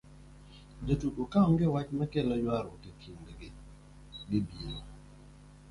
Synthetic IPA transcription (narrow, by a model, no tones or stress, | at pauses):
d͡ʒatuʔokaɔŋɡɪwat͡ʃmɛkɛlɔjwaɾɔkekʰindeɡɪ | ɡɪbino